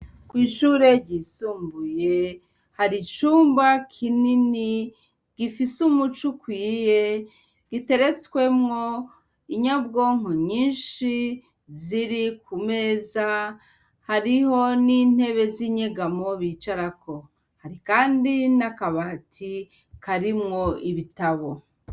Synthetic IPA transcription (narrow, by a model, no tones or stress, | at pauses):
kwiːʃuːɾe̞ɟisuːmbuje̞ | haɾit͡ʃuːmbakʰinini | ɡ̥ifisumut͡ʃukwiːje̞ | ɡ̥ite̞ɾe̞t͡swe̞mŋo̞ | iɲab̚ɡo̞ːŋoɲiːnʃi | ziɾikʰume̞ːza | haɾiho̞niːn̥he̞βe̞ziːɲeɡamo̞βit͡ʃaɾako̞ | haɾikaːndinakaβaːtʰi | kaɾimŋo̞iβitaβo